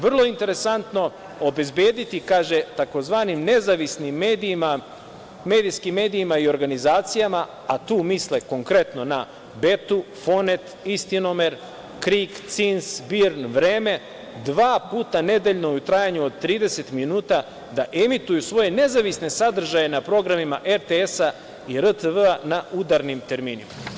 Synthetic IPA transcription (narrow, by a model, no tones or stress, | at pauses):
ʋr̩lˠo̞int̪e̞ɾe̞sant̪no̞ | obe̞zbeːd̪it̪ikaːʒe̞t̪ako̞zʋaːnimne̞zaʋisnimːed̪ima | me̞ːd̪ijskimːe̞ːd̪iːmaio̞ɾɡanizaːt̪sijama | at̪uːmisleko̞ŋkɾe̞t̪no̞na | be̞t̪u | fo̞net̪ist̪inomeɾ | kɾiːkt̪sinsbiɾnʋɾeːme̞ | d̪ʋaːpuːt̪ane̞d̪e̞ʎnout̪ɾaːjaɲuo̞d̪̚t̪ːɾiːd̪e̞se̞t̪minuːt̪a | d̪aʔemit̪ujusʋo̞je̞ne̞zaʋisne̞sad̪r̩ʒaje̞napɾo̞ɡɾamimaʔeɾt̪eesa | iɾət̪əʋəanaud̪aɾnimt̪e̞ɾmiːnima